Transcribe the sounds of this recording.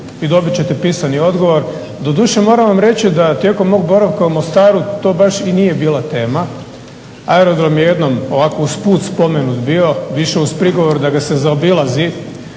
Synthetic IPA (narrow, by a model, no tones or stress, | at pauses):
id̪o̞bit͡ɕe̞t̪epiːsanio̞d̪ɡo̞ʋo̞ɾ | d̪o̞d̪uːʃe̞mo̞ːɾaʋamɾe̞t͡ɕid̪at̪je̞ko̞mːo̞ɡ̚bo̞ɾaʋkaumost̪aːɾut̪o̞ːbaʃiniːje̞biːlat̪e̞ːma | aeɾod̪ɾomjeje̞d̪no̞mo̞ʋako̞uspuːt̪spo̞menut̪bio̞ʋiʃe̞uspɾiɡo̞ʋo̞ɾud̪aɡasezaobilˠazi